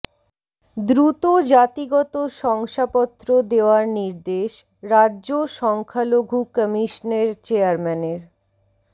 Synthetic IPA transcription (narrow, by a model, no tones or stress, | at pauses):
d̪ɾut̪od͡ʑat̪iɡɔt̪oʃɔŋʃapɔt̪ːɾod̪eoaɾniɾd̪eʃ | ɾadːʑoʃɔŋkʰaloɡʱukəmiʃneɾt͡ɕeaɾmɛneɾ